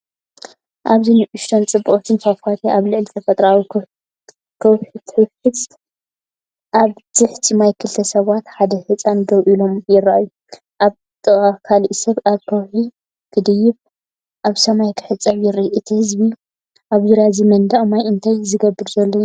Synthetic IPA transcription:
ʔaβziniʔʊʃt̪ʰont͡sʼɨbːɨχʼt̪ʰɨnfafat̪ʰiʔaβlɨʕlit̪ʰɐfɐt̪ʼɾawi | kʰɐwħit̪ʰħɨħɨsʼ | ʔaβz̥ɨħt̪ʰimajkʰɨlt̪ʰɐsɐβat̪ħad̪ɐhɨt͡sʼanɡɐβʔilomjɪrːaʔajːu | ʔaβ | t̪ʼɨχʼakʰaliʔsɐβaβkʰɐwħi | kʰɨd̪ɨjɪβ | ʔaβsɐmajkʰɨ̥ħɨt͡sʼːɐβjɪɾiʔɨt̪ʰihɨzbi | ʔaβzɨɾjazimɐnd̪aʔʼmajʔɨnt̪ʰajzɨɡɐbːɨɾzɐlːo

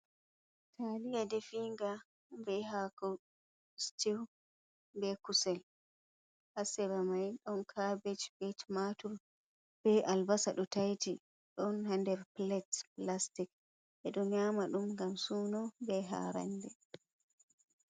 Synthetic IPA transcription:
tʰaːlijadɛfiŋɡa | bɛɦakɔ | stiw | bɛkusɛl | hasɛɾamajɗɔnkʰabet͡ʃbɛt͡ʃmatuɾ | b̥ɛʔalbasa̰ɗɔtajti | ɗɔnɦandɛɾplɛtplastik | ɛɗɔnjaːmaɗumŋɡamsuːnɔbɛɦa̰ːɾa̰ndɛ

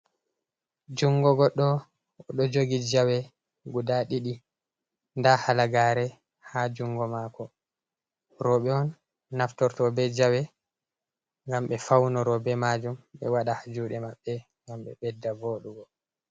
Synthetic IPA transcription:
d͡ʒuŋɡɔɡɔɗɔ | ɗɔd͡ʒoɡid͡ʒawɛ | ɡudaɗiɗi | ndahalaɡaɾɛ | had͡ʒuŋɡɔmakɔ | ɾɔɓɛɔnː | aftɔɾtɔbɛd͡ʒawɛ | ŋɡamɓɛfawnɔɾɔbɛmad͡ʒumɓɛwaɗahad͡ʒuɗɛmaɓːɛŋɡamɓɛ̰ɓɛdːavoɗuɡɔ

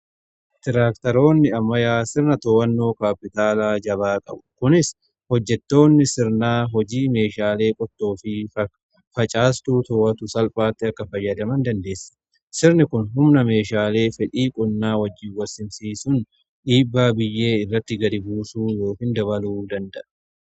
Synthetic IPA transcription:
t̪ɪɾaːkt̪ɐɾo̞ːnːɪɐmɐjaːsɪɾnɐt̪oːwɐnːo̞ːkaːpːɪt̪aːlaːd͡ʒɐβaːkʼɐ̰bʊ̥kʊnɪs | hɔd͡ʒːɛt̪ːo̞ːnːɪsɪɾnaːɦɔd͡ʒiːme̞ːʃaːle̞ːkʼɔt̪ːo̞ːfɪ | fɐt͡ʃʼaːst̪uːt̪ɔːɐt̪ʊsɐlpʼaːt̪ːɪɐkːɐfɐjːɐd̪ɐmɐnd̪ɐnd̪e̞ːsːɐ̥ | sɪɾnɪkʊnɦʊmnɐme̞ːʃaːle̞ːfɛᶑiːkʼʊnːaːwɐd͡ʒːiːwɐsɪnsiːsʊn | ᶑiːbːaːbɪjːe̞ːɪrːɐt̪ːɪɡɐɾɪbuːsuːjo̞ːkɪnd̪ɐβɐluːd̪ɐnd̪ɐʔɐ̥

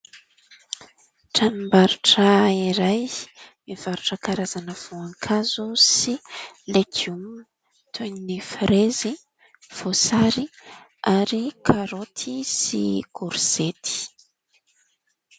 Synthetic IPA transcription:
ʈ͡ʂanimbaɾuʈ͡ʂəiɾajmiv̥aɾuʈ͡ʂəkaɾazanəv̥oaŋkʰazusilekium | t̪ʰeninifɾezi | v̥osaɾi | aɾikʰaɾot̪ʰisḭkuɾz̥et̪ʰi̥

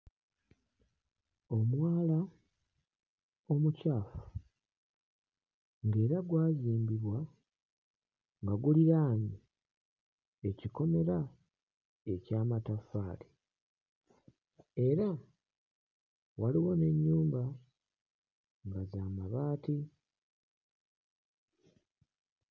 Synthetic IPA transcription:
o̞mwaːla | o̞mucaːfu̥ | ŋɡe̞ːɾaɡwaːziːmbiβwa | ŋɡaɡuliɾaːɲi | e̞ciko̞me̞ɾa | e̞caːmatafaːli | e̞ɾa | waliwo̞ne̞ɲːuːmba | ŋɡazaːmaβaːti

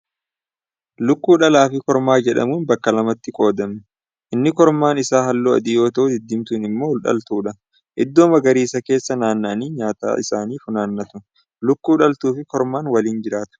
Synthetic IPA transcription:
lʊkːuːᶑɐlaːfɪkɔɾmaːd͡ʒɛᶑɐ̰muːnbɐkːɐlɐmɐt̪ːɪkʼo̞ːd̪ɐmʊ | ʔɪnːɪkɔɾmaːnɪsaːhɐlːoːɐ̰d̪ɪjo̞ːt̪ɐʔʊd̪ɪd̪ːɪmt̪ʊnɪmːo̞ːʊlᶑɐ̰lt̪uːᶑɐ | ʔɪd̪ːo̞ːmɐɡɐɾiːsɐke̞ːsːɐnaːnːaniːɲaːt̪a̰ːʔɪsaːniːfʊnaːnːɐt̪ʊ | lʊkːuːᶑɐlt̪uːfɪkɔɾmaːnwɐliːnd͡ʒɪɾaːt̪ʊ̥

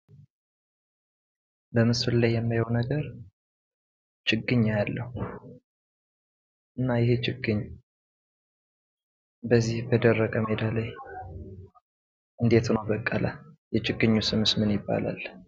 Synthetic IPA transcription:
bəmɨsɨllajːɛmːajownəɡəɾ | t͡ʃʰʼɪɡɨɲːajalːəhu | ʔɨnːajɪhet͡ʃɪɡːɨɲː | bəzːihbəd̪ərːəkʼəmed̪alaj | ʔɨnd̪et̪nəwbəkʼːəlʔajɛt͡ʃʼɪɡːɨɲːusɨmɨsmɨnjɪbːa̰la̰l

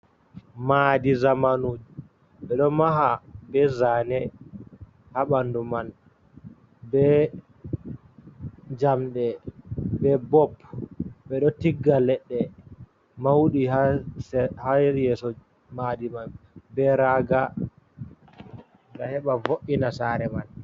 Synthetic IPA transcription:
madizamanoːd͡ʒu | ɓɛɗɔmaɦabɛzanɛ | haɓanduman | bɛ | d͡ʒamɗɛbɛbɔpɓɛɗɔtiɡːalɛɗːɛ | mawɗihashajɛsɔ | madimanbɛɾaɡa | ɡahɛɓavoʔinasaːɾɛman

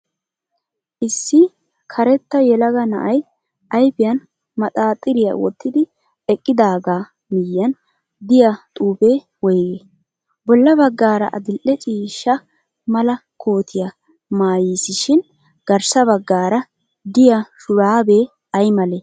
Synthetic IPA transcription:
ʔɪsːɪ | kʰɐɾɛt̪ːɐjɛlɐɡɐnɐ̰ʔɐj | ʔɐjpɪjɐn | mɐt̪ʼaːt̪ʼːɪɾɪjɐ̰wɔ̰t̪ːɪd̪ɪ | ɛkʼːɪd̪aːɡaː | mɪjːɐn | d̪ɪjat̪ʼuːpeː | wɔjɡeː | bɔlːɐbɐɡːaːɾɐ̰ʔɐ̰d̪ɪlʔɛt͡ʃʼiːʃːɐ | mɐlɐkʰoːt̪ʰɪjɐ | maːjiːsɪʃɪn | ɡ̥ɐɾsɐbɐɡːaːɾɐ | d̪ɪjaʃʊɾaːbeː | ɐjmɐleː

